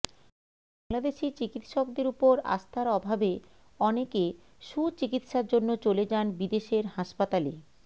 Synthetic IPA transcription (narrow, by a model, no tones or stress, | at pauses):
baŋlad̪eʃit͡ɕikit̪ʃɔk̚d̪eɾupoɾa̰st̪ʰaɾɔbʱabe | ɔneke | ʃut͡ɕikit̪ʃaɾd͡ʑonːot͡ɕoled͡ʑanbid̪eʃeɾɦaʃpat̪ale